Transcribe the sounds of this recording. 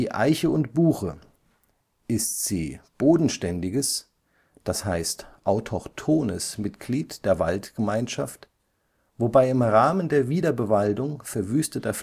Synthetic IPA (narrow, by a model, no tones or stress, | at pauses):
iːʔa̰ɪçəʊntb̥uːxə | ʔɪstz̥iːb̥oːdn̩ʃtɛndɪɡəs | d̥ashaɪstʔaʊtʰɔχtʰoːnəsmɪtɡ̥liːtd̥eːɐva̰ltɡ̥əmaɪnʃaft | v̥obaɪɪmʁaːməndeːɐviːdɐbəvaldʊŋfɛɐvyːstətɐf